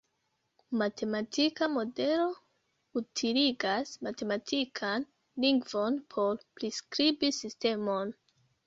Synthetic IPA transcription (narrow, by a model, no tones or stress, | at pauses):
matʰe̞matʰikamo̞de̞lo̞ | utʰiliɡasmate̞matʰikʰan | liŋɡvo̞npʰo̞ɾpɾiskɾibisiste̞mo̞n